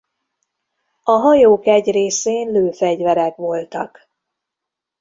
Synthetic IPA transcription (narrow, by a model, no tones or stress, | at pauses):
ɒɦɒjoːkɛɟreːseːnløːfɛɟvɛɾɛkʋo̞lt̪ɒk